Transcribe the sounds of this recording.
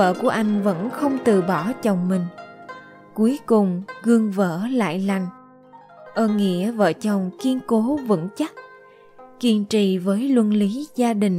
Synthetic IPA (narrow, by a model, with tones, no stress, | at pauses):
ə̰ː˧˨ku˧˩əʔa˧jŋ̟və̰˧˥nxə˧wŋ͡mt̪ɨ˨˩ɓɔ˧˩t͡ɕə˨˩wŋ͡mmï˨˩ŋ̟ | ku˨˦jkʊ˨˩ŋ͡mɣɨ˧əŋvə̰ː˧˥la̰ː˧˨jla˨˩jŋ̟ | ʔəː˧˩nŋḭ˧˥əvə̰ː˧˨t͡ɕə˨˩wŋ͡mki˧ənko˨˦vɨ̰˧˥nt͡ɕa˦˥k̚ | ki˧ənt͡ɕḭ˧˨vəː˨˦jlwə˧nli˨˦zaː˧ɗï˨˩ŋ̟